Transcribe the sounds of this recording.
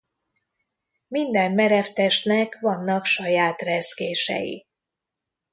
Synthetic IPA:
mind̪ɛmmɛɾɛft̪ɛʃnɛkvɒnːɒkʃɒjaːt̪rɛzkeːʃɛ̰jḭ

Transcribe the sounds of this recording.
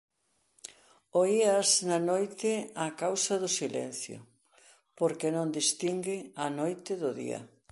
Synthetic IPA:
oiaznɐnojt̪ɪakawsɐðʊsilɛ̰n̟θjʊ̰ | poɾkenõnd̪ist̪iŋɡɪɐnojt̪ɪðʊðḭɐ̰

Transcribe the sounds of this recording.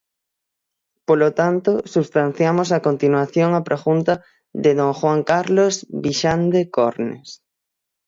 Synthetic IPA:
polot̪ant̪osuβst̪anθjamosakont̪inwaθjoŋapɾʔaxunt̪ɐ | ðɪðoŋxwaŋkaɾlozβiʃand̪ekoɾnḛs

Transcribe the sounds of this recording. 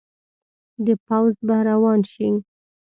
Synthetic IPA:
d̪əpawzbahɾawɑnʃiŋ

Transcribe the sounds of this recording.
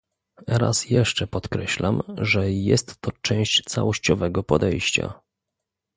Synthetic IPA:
ɾa̰sjɛʂt͡ʂɛpɔt̪kɾɛɕlamʐɛjɛst̪ːɔt͡ʂɛ̃w̃ɕt͡ɕt̪sa̰wɔɕt͡ɕɔvɛɡɔpɔd̪ɛjɕt͡ɕa̰

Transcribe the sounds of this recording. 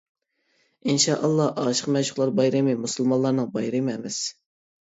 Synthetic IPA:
inʃɑʔɑlˠːɑhʔɑʃə̥qmɛʃʊ̥χlˠɑɾbɑjɾɪmɨmusulˠmɑlˠɑɾnɨŋbɑjɾɪmɛmɪs

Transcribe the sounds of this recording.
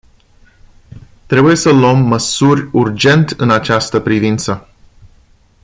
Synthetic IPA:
t̪ɾe̞buje̞səluəmːəsurʲurd͡ʒe̞nt̪ɨnat͡ʃast̪əpɾivint̪sə

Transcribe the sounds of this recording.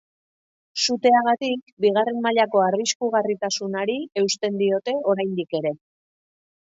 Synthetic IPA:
sut̪e̞aɣat̪ik̚ | biɣ̞are̞nmaʎako̞ariskuɣ̞arit̪asunaɾie̞wst̪e̞nd̪io̞t̪e̞o̞ɾajnd̪ike̞ɾe̞

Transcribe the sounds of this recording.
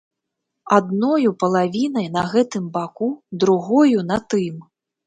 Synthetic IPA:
ad̪nɔjupɐlˠavʲinɐjnɐɣɛt̪ɨmbakud̪ɾuɣɔjunɐt̪ɨm

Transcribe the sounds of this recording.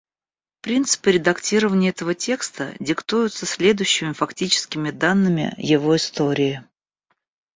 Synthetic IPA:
pɾʲint̪sɨ̥pɨɾʲɪd̪ɐktʲiɾəvənʲɪəɛt̪əvətʲe̞kst̪ə̰dʲɪkt̪ujʊt̪səsʲlʲe̞d̪ʊjʊɕːɪmʲɪfɐktʲit͡ɕɪ̥skʲɪmʲɪd̪anːɨmʲɪ̰jɪvo̞ɪst̪oɾʲɪɪ

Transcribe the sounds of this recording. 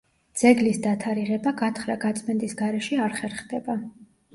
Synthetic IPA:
d̪z̥ɛɡlisd̪at̪ʰaɾiʁɛbaɡat̪ʰχɾaɡat̪sʼmɛnt̪ʼisɡaɾɛʃɛaɾχɛɾχd̪ɛba

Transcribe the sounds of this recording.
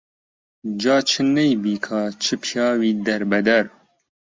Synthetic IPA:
d͡ʒɑːt͡ʃʰɨnɛjbiːkʰɑːt͡ʃʰɨpʰjɑːwiːd̪ɛɾbɛd̪ɛɾ

